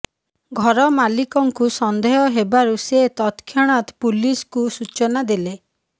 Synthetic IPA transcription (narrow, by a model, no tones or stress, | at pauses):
ɡʱɔɾɔmalikɔŋkusɔnd̪ʱeɦɔɦebaɾuset̪ɔt̪kʰjɔɽ̃at̪puliskusut͡ʃɔnad̪ile